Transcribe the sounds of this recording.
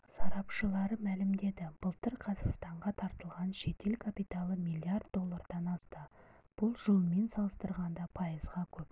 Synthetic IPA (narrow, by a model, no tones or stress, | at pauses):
sɑɾɑpʃəlˠɑɾəmælɪmd̪e̞d̪ɪb̥əlˠt̪əɾqʰɑzɑst̪ɑɴʁɑt̪ʰɑɾt̪əlˠʁɑnʃe̞t̪ʰe̞lkʰapijt̪alˠəmijlʲˠiard̪d̪o̞lˠːɑrd̪ɑnɑst̪əb̥ʊlˠʒəlˠme̞nsɑlˠəst̪əɾʁɑnd̪ɑpʰɑjəzʁɑkʲʰɵp